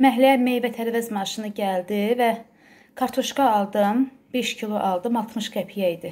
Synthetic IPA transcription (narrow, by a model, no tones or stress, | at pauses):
mæɦlææme̞jvæt̪ʰæɾvæzmɑʃɯnɯɟæld̪ivæ | kʰɑɾt̪ʰoʃkɑːlˠd̪ɯmbe̞ʃcʰilˠoʔɑlˠd̪ɯmɑlˠt̪ʰmɯʃɡæpʰijæid̪i